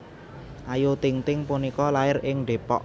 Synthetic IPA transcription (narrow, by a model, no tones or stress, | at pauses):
ʔajot̪ɪŋt̪ɪŋpunikɔlaɪrɪŋɖe̤pɔʔ